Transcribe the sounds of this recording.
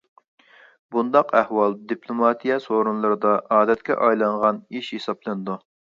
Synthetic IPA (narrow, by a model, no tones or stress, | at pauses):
bund̪ɑqæhwɑlˠd̪ipʰlˠomɑt̪ijɛsoɾunlˠɨɾɨd̪ɑɑːd̪ɛt̪̚kʲɛ̰ʔɑjlˠɑɴʁɑniʃhesɑblˠɨnɨd̪u